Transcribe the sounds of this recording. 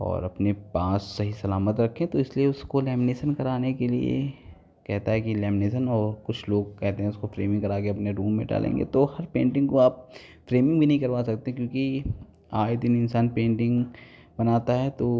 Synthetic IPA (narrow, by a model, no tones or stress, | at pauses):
ɔ̰ːɾɐpnepaːsːɐɦisɐlaːmət̪ɾɐkʰːẽt̪oɪslieʊskolɛːmɪneːʃənkɐɾaːnekeliḛ | kɛɦt̪aɦɛkilɛːmɪneːʃənɔːɾkʊt͡ʃʰloːɡ̚kɛɦt̪eɦɛ̃ʊskofɾeːmɪ̃ŋɡkɐɾaːkeɐpneɾuːmːẽɖa̰ːlʔḛ̃ːŋɡḛt̪ohɐɾpẽːɳʈɪ̃ŋɡkoaːp̚ | fɾeːmɪ̃ŋɡbʱinɐɦĩkɐɾʋaːsɐkt̪eɦɛ̃kjõːki | aːjd̪ɪnɪnsaːnpẽːɳʈɪ̃ŋɡ | bɐnaːt̪aɦɛt̪oː